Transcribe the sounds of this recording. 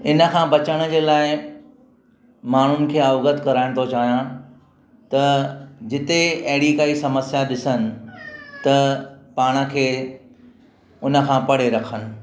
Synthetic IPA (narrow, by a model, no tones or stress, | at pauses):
ɪnə̆kʰãːbɐt͡ɕəɽ̃əd͡ʑeːlaːɪ | maːɳ̤ʊnɪ̆kʰeːaʋɣət̪kɐɾaːɪ̃ɽ̃t̪ʰot͡ɕaːɦijã | t̪ɐd͡ʑɪt̪eɐɦɪɽikaːisɐməsjaɗɪsənɪ̆t̪ɐpaːɽ̃ə̆kʰeː | ʊnə̆kʰãːpɐɽ̤eɾɐkʰənɪ̆